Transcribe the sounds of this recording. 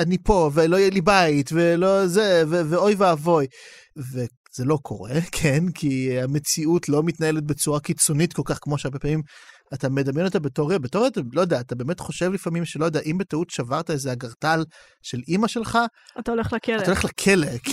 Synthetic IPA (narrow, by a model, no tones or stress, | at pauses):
anipo̞velojɛlibaitvelozeveveo̞jveːvo̞j | ve | z̥elo̞kʰo̞̰ʁekʰenkʰiame̞t͡siutlo̞mitnaelet̪̚bet͡suʁakit͡so̞nitko̞lkaχkmo̞ʃeaʁbe̞paːmim | atame̞d̪amjenot̪abetoʁebetoʁietalojodeaːt̪abe̞ːmetχo̞ʃevlifamimʃelojodeaʔimbetautʃavaʁtaezeaɡaʁtal | ʃe̞limaʃe̞lχaat̪aoleχlat̪aaoleχlakʰelek